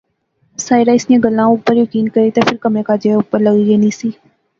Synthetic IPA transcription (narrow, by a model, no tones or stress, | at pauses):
saːɪɾaːɪsijãːɡəlːãːʊpːəɾjəkiːnkəɾiːt̪eːpʰɪɾkəmẽːkaːd͡ʒeʊpːəɾləɣiːeːnĩːsiː